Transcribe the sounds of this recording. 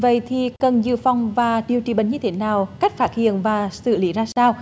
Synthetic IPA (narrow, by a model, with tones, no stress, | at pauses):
və̰˧˨jt̪ʰi˨˩kə˨˩nzɨ̰˧˨fɔ˨˧wŋ͡mvaː˨˩ɗi˨˩əwt͡ɕḭ˧˩ɓə˨˩˦ɲɨ˧t̪ʰe˨˦naː˨˩wka˦˥jk̟̚faː˦˥t̚hḭ˧˨ənvaː˨˩sɨ̰˧˨li˨˦zaː˧saː˧w